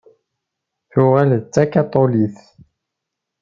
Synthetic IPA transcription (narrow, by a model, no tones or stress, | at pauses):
θʊʁælt͡sːækat̪ˤːoliθ